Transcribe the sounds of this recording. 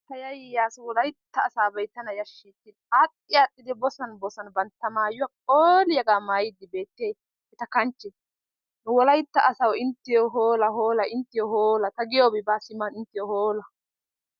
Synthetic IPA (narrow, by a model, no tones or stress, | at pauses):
t̪ɐjɐjɪjaːsʊwɔlɐjt̪ːɐːsaːbɐjt̪ːɐnɐjɐʃːiːt̪ːɪ | atʼːɪjaːtʼːɪd̪ɪbɔsɐnbɔsɐnbɐnt̪ːɐmaːjʊwakʼoːlɪjɐɡaːmaːjɪd̪ːɪbe̞ːt̪ːeː | ɛt̪ɐkɐnt͡ʃːɛ | nʊwɔlɐjt̪ːɐʔɐsɐwɪnt̪ːɪjɔɦoːlɐhoːlɐɪnt̪ːɪjɔhoːlɐt̪ɐɡɪjoːbɪbaːsɪmːɐnɪnt̪ːɪjɔhoːlɐ